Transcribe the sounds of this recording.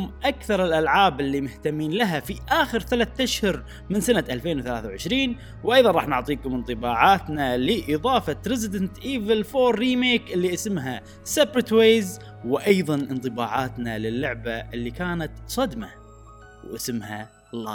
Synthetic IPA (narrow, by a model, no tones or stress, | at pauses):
mʔakθɑɾˤɪlʔalʕaːbɪlːimʊht̪amːiːnlaɦafiʔaːxɪɾθalaθt̪ːaʃhʊɾ | mɪnsanaʔalfeːnwθalaːθawʕɪʃɾiːn | wʔɑjðˤɑnˤɑːħnʊʕt̪ˤiːkʊmɪnt̪ˤɨbaːʕaːt̪nalɪʔɪðˤɑːfɑɾɪzɪd̪ɪnt̪ʔiːvɪlfoːɾːiːmeːkʔɪlːiʔasɪmɦa | sebɾɪt̪weːz | wɪʔɑjðˤɑnʔɪnt̪ˤɨbaːʕaːt̪nalɪlːʊʕbaʔɪlːikaːnat̪sˤɑd̪ma | wʔa̰sɪmha | lɑː